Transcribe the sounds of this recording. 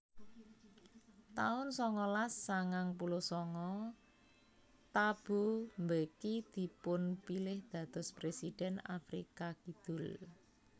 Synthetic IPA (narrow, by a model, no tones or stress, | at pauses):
t̪aʊnsɔŋɔlasːaŋaŋpulosɔŋɔ | t̪ab̥umbəkid̪̥i̤pʊnpilɪhd̪̥ä̤d̪̥ɔ̤spɾesid̥ɛna̰fɾḭkakid̪̥ʊ̤l